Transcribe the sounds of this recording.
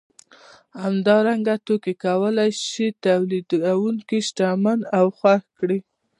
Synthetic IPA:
hamd̪ɑɾaŋɡat̪okekawəlajʃit̪awlid̪awuŋkiʃʈamanawxwaxkɽi

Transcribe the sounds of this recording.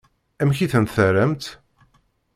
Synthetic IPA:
æmçiθənt̪θəɾæmt̪

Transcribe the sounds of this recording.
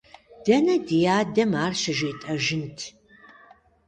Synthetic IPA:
d̥ɐnɐdijaːdɐmaːrʃɐʒeːtʼɐʒɪntʰ

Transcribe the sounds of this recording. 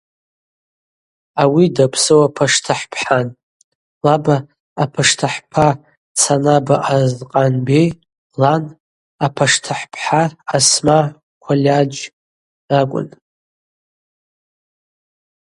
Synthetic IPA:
awidapʰsɨwapʰaʂtʰaħpʰħan | labaː | pʰaʂtʰaħpʰa | t͡sʰanabaʔazqʼanbej | lan | apʰaʂtʰaħpʰħaːsma | kʷʰalʲad͡ʒ | akʷʼʊ̰n

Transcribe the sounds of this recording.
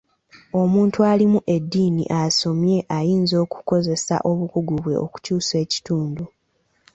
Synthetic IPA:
o̞muːntualimuʔe̞dːiːnḭʔaso̞mje̞ʔajiːnzo̞ːku̥ko̞ze̞sa̰ʔo̞βukuɡuβwe̞ʔo̞̰ku̥cuːse̞ːci̥tuːndu

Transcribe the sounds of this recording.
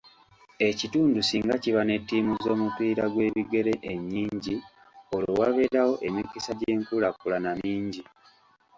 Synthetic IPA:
e̞cituːndusiːŋɡaciβane̞tːiːmuzo̞ːmupiːɾaɡwe̞ːβiɡe̞ɾe̞ʔeɲːiːɲɟi | olowaβe̞ɾawo̞ʔe̞mikisaɟe̞ːmkulakulanamiːɲɟi

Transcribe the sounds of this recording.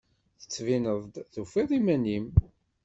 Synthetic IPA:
θə̥t͡sːvinəðˤd̪ðufiðˤimænim

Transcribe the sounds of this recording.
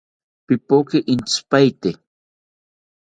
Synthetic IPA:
pipokiʔint͡spajt̪e

